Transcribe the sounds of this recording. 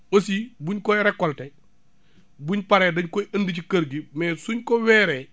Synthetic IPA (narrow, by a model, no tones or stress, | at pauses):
osibuɲkɔjɾɛkːɔltɛ | buɲpɐɾɛdɐɲkɔjɐndicikɐɾɡimɛːsuɲkɔwɛːɾɛː